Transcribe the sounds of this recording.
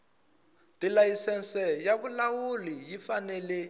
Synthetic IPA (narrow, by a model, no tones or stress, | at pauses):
tilajisɛnsɛjaβulawulijifanɛlɛ